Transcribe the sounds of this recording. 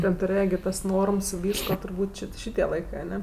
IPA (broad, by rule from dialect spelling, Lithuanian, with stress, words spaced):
tʲɛn tʊˈrʲeːjɛ ɡʲɪ ˈtɐs ˈnoːrms ɪ ˈʋʲiːskoː tʊrˈbuːtʲ ˈt͡ʃʲɪ ˈʃʲɪtʲiɛ ˈlˠɐɪkɜ ɐˈnʲɛ